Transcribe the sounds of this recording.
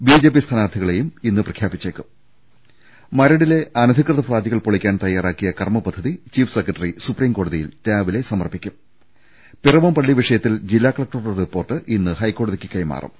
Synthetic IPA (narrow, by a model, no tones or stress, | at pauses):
biːd͡ʑe̞ːp̬ist̪ʰaːnaːrt̪ʰiɣɐɭe̞juminːɨprɐkʰjaːbit͡ɕːeːkːum | mɐɾɐɽile̞ʔɐnɐd̪ʱikrɨðɐpraːd̪iɣɐɭpoɭikʲːaːnt̪ɐjːaːɾaːkːijɐkɐrmɐpɐd̪ʱːɐðit͡ɕiːfsekːrɐʈːɐrisupriːmko̞ːɽɐðijiltaːʋile̞sɐmɐrpːikʲːum | pirɐʋɐmpɐɭːiʋiʂɐjɐt̪ːild͡ʑilːaːkɐɭɐk̚ʈɐrɐripːo̞ːrʈːɨʔinːɨhɐjkːo̞ːɽɐðikʲːɨkːɐjma̰ːrʔṵm